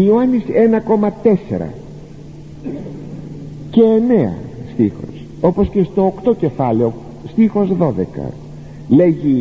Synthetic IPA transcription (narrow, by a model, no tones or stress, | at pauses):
iuɐnise̞nɐko̞mɐt̪e̞sḛɾɐ̰ | ce̞ːne̞ɐ̰st̪ixo̞̰s | o̞po̞sce̞st̪o̞ːkt̪o̞ce̞fɐleo̞ | st̪ixo̞zðo̞ðekɐ̰ | le̞ʝi